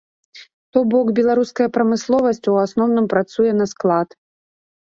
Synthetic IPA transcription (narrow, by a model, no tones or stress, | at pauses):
t̪ɔbɔkbʲɛlˠaɾuskɐjɐpɾɐmɨslˠɔvɐsʲt͡sʲwasnɔwnɨmpɾat̪sujɛnɐsklˠat̪